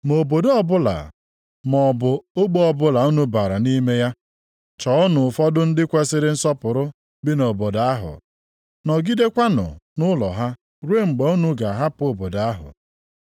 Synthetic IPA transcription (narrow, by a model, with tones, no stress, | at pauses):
mo˨bo˨do˦ɔ˦bʊ˦la̰˨ | mɔ˨bʊ˨o˦ɡ͡bo˦ɔ˦bʊ˦la˨o˦nu˦ba˨ɾa˨ni˦me˦ja˦ | t͡ʃɔ˨ʊ˦nʊ˨fɔ˦dʊ˦n̩˦dɪ˦kʷe˦sɪ˦ɾɪ˦n̩˦sɔ˦pʊ˨ɾʊ˦ | bɪ˦no˨bo˨da˦ɦʊ̰˨ | nɔ˨ɡi˦de˦kʷa˦nʊ̰˨nʊ˦lɔ̰˨ɦa˦ | ɾe˦˨ŋ͡m̩˨ɡ͡be˨o˦nu˦ɡa˨ɦa˦po˨bo˨da˦ɦʊ̰˨